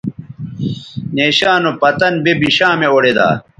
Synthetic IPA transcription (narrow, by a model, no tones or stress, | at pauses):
neːɕaːnopɐt̪ɐnbebiɕaːmeoɽed̪a̰ː